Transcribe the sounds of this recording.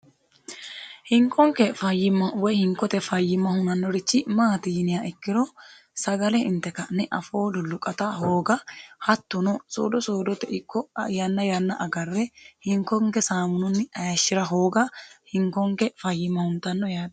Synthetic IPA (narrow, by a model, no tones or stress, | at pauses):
hɪŋkɔŋkɛfɐjːɪmːɐwɔjhɪŋkːɔt̪ɛfɐjːɪmːɐhʊnɐnːɔɾɪt͡ʃːɪmaːt̪ɪjɪnɪjaɪkːɪɾɔ | sɐɡɐlɛɪ̰nt̪ːɛkɐnɛʔɐfo̞ːlʊlʊkʼːɐt̪ɐɦo̞ːɡɐhɐt̪ːʊnɔso̰ːd̪ɔsoːd̪ɔt̪ːɛɪkːɔjɐnːɐjɐnːɐʔɐɡɐrːɛhɪŋkɔŋkɛsaːmʊnʊnːɪɐjɐʃːɪɾɐɦo̞ːɡɐhɪŋkɔŋkɛfɐjːɪmːɐhʊnt̪ɐnːɔjaːd̪